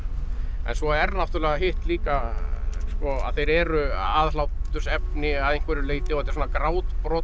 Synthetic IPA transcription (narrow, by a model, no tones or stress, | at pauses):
ɛ̰nsvɔɛɾnaft̪ʏɾlɛɣaɦɪht̪liːka | skɔa̰ðθejɾɛːɾʏaːðlawt̪ʏɾsɛpnɪaðejŋkvɛɾɪɾʏleːjt̪ɪɔɛt̪ɛ̥ɾs̬ɔnakɾaːwt̪pɾɔː